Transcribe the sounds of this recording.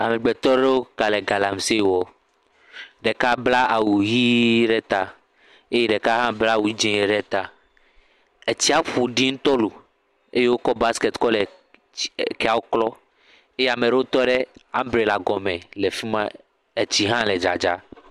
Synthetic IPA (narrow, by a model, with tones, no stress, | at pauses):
a˨mɛ̃˨ɡ͡bɛ˨t̪ɔ˦ɖe˦wo˦ka˨lɛ˨ɡa˨la˨m˨se˦˨˦wɔ˦ | ɖɛ˨ka˦bla˦a˨wu˨ɣi˦ɖɛ˦t̪a˨ | e˦je˦ɖɛ˨ka˦ɦã˦bla˦˨wu˦d͡ʒẽ˦e˨ɖɛ˦t̪a˨ | e˨t͡ɕi˦a˦ɸu˨ɖi˦ŋũ˦t̪ɔ˦lu˨ | e˦je˦wo˦kɔ˦ba˦ske˨t̪kɔ˦lɛ˨ | kɛ˦a˨wo˦klɔ˦ | e˦jɛ˦a˨me˨ɖe˦wo˦t̪ɔ˦ɖɛ˦ã˦mbɾe˨la˨ɡɔ˨mɛ̃˨le˨fi˦mã˦ | e˨t͡ɕi˦ɦã˦lɛ˨d͡ʒa̰˨d͡ʒa̰˦